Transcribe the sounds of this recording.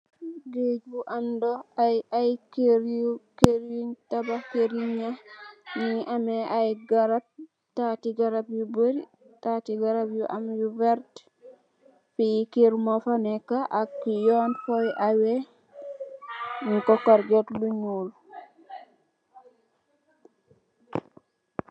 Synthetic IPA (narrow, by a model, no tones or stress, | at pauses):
ɡed͡ʒuʔandɔajajkeɾukeɾjuɲtabakeɾiɲaniʔamɛʔajɡaɾap̚ | tatiɡaɾabjuboɾi | tatiɡaɾabjuʔamjuvɛɾt | fijikeɾmofanɛkaʔakːijɔnfɔjʔawe | ŋkokaɾɡetluɲul